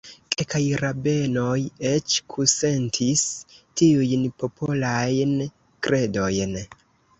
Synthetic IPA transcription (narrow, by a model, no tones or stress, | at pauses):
kelkajɾabe̞no̞jet͡ʃkʰuse̞ntʰistiujnpo̞pʰolajn | kɾe̞do̞jn